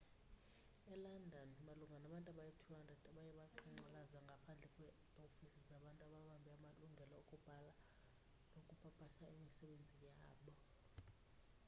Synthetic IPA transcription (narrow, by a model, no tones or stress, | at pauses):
ɛlandʱɔnmaluŋɡʱanaɓantʼaɓajetʰiwadʱatʼaɓajɛɓaǃiŋ͡ǀalazaŋɡʱapʰand͡ɮʱɛkʼwɛ | ofisizaɓantʼuaɓaɓambʱiamaluŋɡʱɛlaukʼub̥ʱala | nokʼupʰapʰʼaʃʰaimisɛɓend͡zʱijaːɓɔ